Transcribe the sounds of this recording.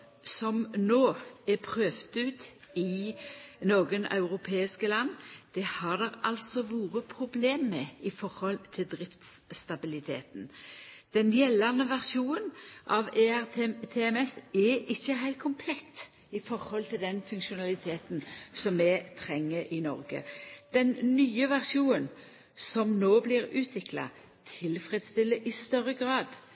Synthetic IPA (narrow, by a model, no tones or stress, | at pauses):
sɔmnoːɛpʰɾøːft̪ʉːt̪ɪ | noːɡənɑ̰ʉɾʊpʰeːɪskəlɑnːd̪̥ɛhɑd̪ɛɾʔɑlsɔʋuːʁəpʰɾʊbleːmːɛɪfɔɾhɔlt̪ʰɪld̪ɾɪft̪st̪ɑbɪlɪt̪ʰeːt̪n̩d̪̥ɛnjɛlːɑnəʋæʁʃuːnənʔɑʋeæt̪ʰeːɛmɛsɛɪçːəɦæɪlt̪̚kʰʊmpʰlɛt̪ː | ɪfɔɾhɔlt̪ʰɪld̪ɛnfʉŋʃʊnɑlɪt̪ʰeːt̪nsɔmːɛt̪ʰɾɛŋːəɾʔɪnɔɾɡə̰d̪̥ɛnnyːəʋæʁʂuːnən | sɔmnoːblɪɾʉːt̪ʰʋɪklɑ̰ | t̪ʰɪlfʁɛd̪st̪ɪlːəʔɪst̪œɾːəɡɾɑːd̪